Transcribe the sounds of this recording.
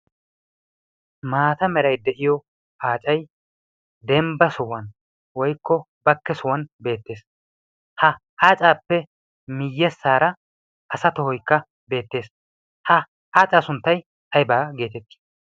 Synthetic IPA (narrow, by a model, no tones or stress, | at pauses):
maːt̪ɐmɛɾɐjd̪ɛʔɪjɔ | ʔaːt͡ʃʼɐj | d̪ɛmbɐsɔwɐn | wɔjkːɔ | bɐkːɛsʊwɐnbe̞ːt̪ːe̞ːs | hɐ | aːt͡sʼaːpːɛ | mɪjːɛsːaːɾɐ | ʔɐsɐt̪ɔhɔjkːɐ | be̞ːt̪ːe̞ːs | hɐ | aːt͡sʼaːsʊnt̪ːɐj | tɐjbaːɡe̞ːt̪ɛt̪ːi̥